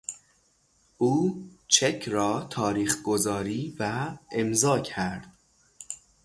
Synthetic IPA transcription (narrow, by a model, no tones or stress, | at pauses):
ʔuːt͡ʃʰecʰrɒːt̪ʰɒːɾiːχɡozɒːɾiːvæemzɒːcʰæɾd̪̥